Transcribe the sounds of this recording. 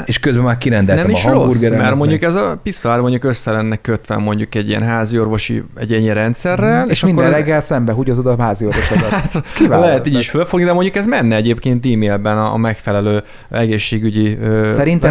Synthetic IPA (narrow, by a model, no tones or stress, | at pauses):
eʃkøzbɛmaːɾkiɾɛnd̪ɛlnɛmiʃɾouɾɡɛɾmɛɾmoɲɟukɛzɒpisɒɾmo̞ɲɟukø̞sːɛlɛnːɛkøt̪ʋɛ̰mːo̞ɲɟukɛɟːijɛ̰nɦaːzio̞rvo̞ʃḭɛɟɛɲːiɾɛnt̪sɛrːɛleːʃɒminkːoɾɛzlɛɡːɛlsɛmbɛɦuɟozod̪ɒɦaːzio̞ɾvo̞ʃɔat̪kivalɛɦɛt̪iːɟiʃfølfo̞ɡnid̪ɛmo̞ɲɟukɛzmɛnːɛɛɟeːpkeːnt̪iːmeːlbɛnɒ̰ːmɛkfɛlɛløː | ɛɡeːʃːeːɡyɟiøsɛɾint̪